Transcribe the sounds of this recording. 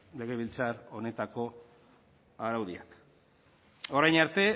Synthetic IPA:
leɣeβilt͡saɾo̞ne̞t̪ako̞ | aɾawðiak | o̞ɾajnaɾt̪e̞

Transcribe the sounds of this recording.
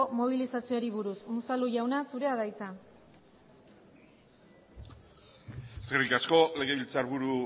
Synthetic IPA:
omo̞β̞ilisasioɾiβ̞uɾusmusaluʝawnasuɾe̞aðajt͡sa | eskerikasko̞le̞ɣ̞e̞βilt͡saɾβuɾu

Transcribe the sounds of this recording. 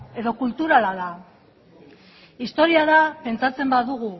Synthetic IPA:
e̞ðo̞kult̪uɾalaða | ist̪o̞ɾiaðape̞nt͡sat͡se̞mbaðuɣ̞u

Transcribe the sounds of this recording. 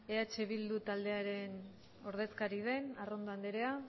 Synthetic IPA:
eat͡ʃe̞βild̪ut̪ald̪e̞aɾe̞n | o̞ɾð̞e̞skaɾið̞e̞narond̪oand̪eɾe̞a

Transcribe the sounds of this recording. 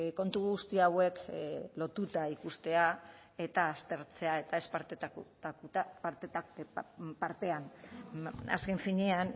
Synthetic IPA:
ko̞nt̪uɣust̪iawe̞klo̞t̪ut̪aikust̪e̞a | e̞t̪aːst̪e̞ɾt͡se̞ae̞t̪aespaɾt̪akuat̪ | paɾt̪e̞an | a̰ske̞ɱfiɲean

